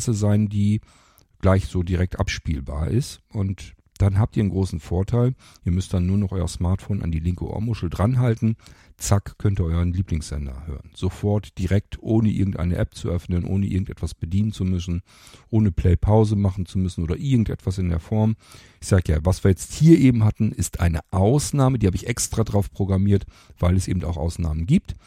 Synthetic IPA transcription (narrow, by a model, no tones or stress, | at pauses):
səzaɪndiː | ɡ̥laɪçz̥oːdiʁɛk̚tʔa̰pʃpiːlba̰ːɐʔɪstʔʊnt | d̥anɦaːp̚tiːɐənɡʁoːsn̩foːɐtʰaɪl | ʔiːɐmʏst̚d̥anːuːɐnɔχʔɔʏɐsmaːɐtfoːna̰ndiːlɪŋkəʔo̰ɐmʊʃl̩dʁanɦaltn̩t͡sakkʰœntiːɐʔɔʏʁənliːplɪŋsz̥ɛ̰ndɐ̰hø̰ːʁənz̥ofɔɐtd̥iʁɛk̚tʰʔoːnəʔɪ̰ɐɡŋ̩tʔa̰ɪnəʔɛp̚t͡suʔœfnənʔo̰ːnəʔɪ̰ɐɡŋ̩tʔɛtvasb̥ədiːnənt͡sumʏsn̩ | ʔoːnəpʰl̥ɛɪpʰaʊzəmaχn̩t͡sumʏsn̩ʔoːdɐʔɪɐɡŋ̩tʔɛ̰tv̥asɪndḛːɐfɔɐm | ɪçz̥aːɡəja̰ːvasv̥iːɐjɛt͡sthiːɐʔeːbm̩ɦatn̩ɪstʰʔa̰ɪnəʔaʊsnaːmədiːhaːbəɪçʔɛkstʁ̥adʁaʊfpʁ̥oɡʁamiːɐt | v̥aɪlɛsʔḛːbm̩taʊxʔa̰ʊsna̰ːmənɡiːp̚t